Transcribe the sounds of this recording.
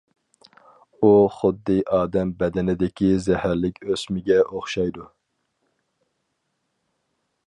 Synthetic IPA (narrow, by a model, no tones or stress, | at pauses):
uχʊd̪ːɨʔɑːd̪ɛmbɛd̪ɛnɪd̪ɪkʲʰizɛhæɾlɪkʲʰøsmɪɡʲɛʔoχʃɑjd̪u